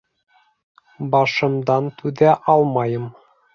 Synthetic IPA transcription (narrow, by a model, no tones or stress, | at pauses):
bɑʃɤ̆md̪ɑnt̪ʉðæʔɑlˠmɑjɤm